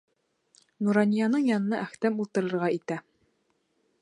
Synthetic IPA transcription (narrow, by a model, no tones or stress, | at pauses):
nuɾɑnʲijɑnɤɴjɑnɤ̆nɑʔæχt̪æmulˠt̪ɤ̆ɾɤ̆ɾʁɑit̪æ